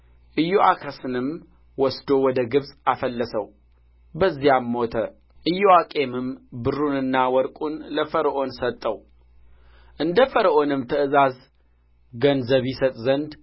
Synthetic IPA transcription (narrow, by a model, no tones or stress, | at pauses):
ʔɨjːoʔakʰəsɨnɨm | wɔsd̪o̞wɔd̪əɡɨβsʼafəlːəsəw | bəzːijamːot̪ʰə | ʔɨjːoakʼe̞mɨmbɨrːunɨnːawɔɾkʼunləfəɾəʔo̞nsət̪ʼːəw | ʔɨnd̪əfəɾəʔo̞nɨmt̪ʰəɨzaz | ɡənzəβisət̪ʼzənd̪